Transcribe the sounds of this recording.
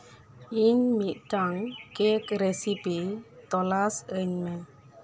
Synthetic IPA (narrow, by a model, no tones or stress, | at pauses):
iɲmiʔʈaŋkekɾesipit̪ɔlasəɲmɛ